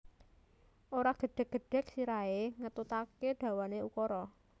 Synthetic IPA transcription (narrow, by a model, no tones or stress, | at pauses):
ʔoɾaɡ̥əɖ̥ɛ̤k̚ɡ̥ə̤ɖ̥ɛ̤k̚siɾaeŋət̪ut̪akeɖ̥ä̤waneukɔɾɔ